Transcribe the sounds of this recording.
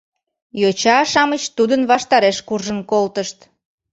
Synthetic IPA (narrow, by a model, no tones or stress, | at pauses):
jot͡ɕɑʃɑmət͡ɕt̪ud̪ənβɑʃt̪ɑɾeʃkurʒənkolt̪əʃt̪